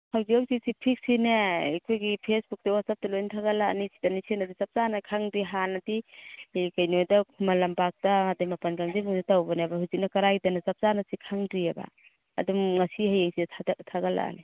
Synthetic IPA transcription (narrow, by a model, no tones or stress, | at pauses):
hawziamsisipʰik̚sinekʰojɡipʰesbuk̚tawat̚sap̚tɐlojntʰaɡala̰nisi̥tanisienadizap̚zanakʰaŋdiɦanadi | kajnojdakʰumalambak̚damadajmapankaŋzimuŋdatawbaneabaɦhuzik̚nɐkɐɾajdanazap̚zanasikʰaŋdɾiaba̰ | a̰dumŋasihajeŋsidtʰadatʰaɡala̰ni